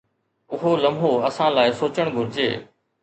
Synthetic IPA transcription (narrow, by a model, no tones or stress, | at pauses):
ʊɦoːləmɦoəsãːlaːɪsoːt͡ʃəɽ̃ɡʱʊɾɪd͡ʑḛː